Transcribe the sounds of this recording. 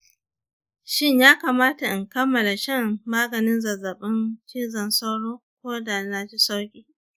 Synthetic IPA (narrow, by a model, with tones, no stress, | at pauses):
ʃɪ˦ɲjaː˦kaː˨maː˦ta˨ʔɪ˨ŋkɐ˦mːɐ˨la˨ʃɐ˦˨ŋmaː˦ɡɐ˨nɪ˦nzɐ˨zɐ˨ɓɪ˦nt͡ʃiː˦zɐ˨nsa˦wɽoː˦kʷoː˦da˨na˨t͡ʃi˦sa˦wkʲʼiː˨